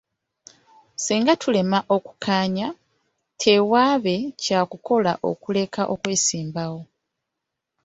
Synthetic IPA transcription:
siːŋɡatʰule̞maʔo̞ku̥kaːɲa | tʰe̞waːβe̞caːkuko̞la̰ʔo̞̰kule̞kaʔo̞kwe̞ːsiːmbawo̞

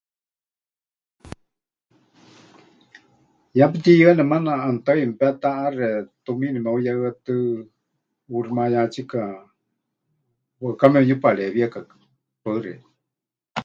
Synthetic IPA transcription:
jap̬ɨt̪ijɨanɛmanaʔant̪ajmpɛt̪aʔarɛt̪uminimɛujaɨat̪ɨ | uɾimajat͡ʃika | wakamɛujupaɺɛβiakakḁ | paɨrɛ̰

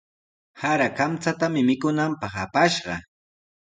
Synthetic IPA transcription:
haɾakamt͡sat̪amɪmɪkʊnampɑχapaʃɢɑ̰

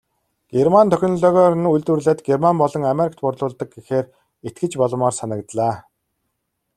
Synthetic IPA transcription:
ɡ̥ermant̪ʰœxʲɪ̆nɮœːɣɔːrnuɮt̪wŭrɮaːt̪ɡermampɔɮɞ̆ŋameɾikʰt̪pʊrɮʊːɮt̪ə̆k̚ɡixeːr | et̪̚ɡɘ̆t͡ɕpɔɮɞ̆mɔːrsanə̆kt̪ɮaː

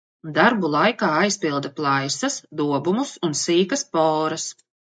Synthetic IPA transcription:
d̪aɾbulˠajkaːajspilˠd̪ɐplˠajsɐsd̪uɔbumusunsiːkɐspɔːɾɐs

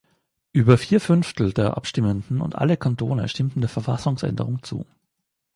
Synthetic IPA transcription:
ʔyːbɐfiːɐfʏnftl̩deːɐʔa̰pʃtɪməndn̩ʊ̰ntʔa̰ləkʰantʰoːnə̰ʃtɪmtn̩deːɐfɛɐfasʊŋsʔɛ̰ndəʁʊŋt͡sṵː

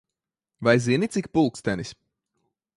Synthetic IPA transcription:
vajziɛnit̪sikpulˠkst̪ænisʲ

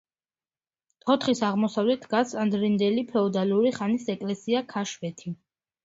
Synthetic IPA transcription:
t̪ʰɔt̪ʰχisaʁmɔsavlɛt̪ʰɡasand̪ɾind̪ɛlipʰɛɔd̪aluɾiχanisɛkʼlɛsiakʰaʃvɛt̪ʰi

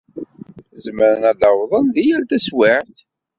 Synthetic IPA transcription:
zməɾnælɑwðˤənðijælt̪æswiʕθ

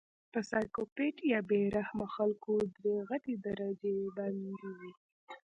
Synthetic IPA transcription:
pəsɑjkopeʈjɑbeɾahmaxalkod̪ɾeɣaʈ̪ed̪aɾad͡ʒeband̪iwi

